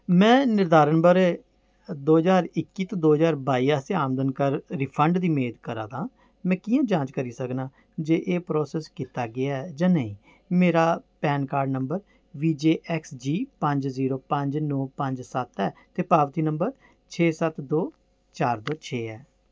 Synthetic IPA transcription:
mɛ̃ːnɪɾd̪aːɾənbəɾɛ | d̪oːɦəzaːɾɪkːiːt̪õːd̪oːɦəzaːɾbaːiːaːseaːmd̪ənkəɾɾiːpʰəɳɖd̪iːmeːd̪kəɾã̰ːd̪ãː | mɛ̃ːkijãːd͡ʒãːt͡ʃkəɾiːsəknaː | d͡ʒeːʔeːpɾoːsɛːskiːt̪aːɡɪaːɛd͡ʒãːnəĩː | meːɾaːpɛːnkaːɾɖnəmbəɾ | ʋiːd͡ʒeːʔɛksd͡ʒiːpə̃ɲd͡ʒziːɾoːpə̃ɲd͡ʒnɔːpə̃ɲd͡ʒsət̪ɛːt̪eːpaːʋt̪iːnəmbəɾ | t͡ʃʰeːsət̪d̪oː | t͡ʃaːɾd̪oːt͡ʃʰeːɛː

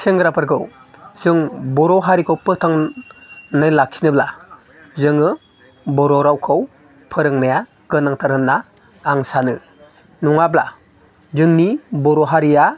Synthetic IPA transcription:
sʰeŋɡɾapʰɯɾɡɯw | z̥ɯŋbɔɾɔɦaɾikʰɔwpɯtʰaŋ | nɯjlak̚sʰinɯbla̰ | zɯŋɯ | bɔɾɔɾawkʰɯw | pʰɯɾɯŋmeja | ɡ̥ɯnaŋtʰaɾɯnːaː | ŋsanɯ | nɔŋabla̰ | zɯŋnibɔɾɔɦaɾija

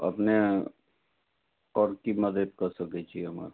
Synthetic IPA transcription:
ə̰pne | ɔːɾkiməd̪əd̪kəɾsəkɛt͡ʃʰiɦəmə̰ɾ

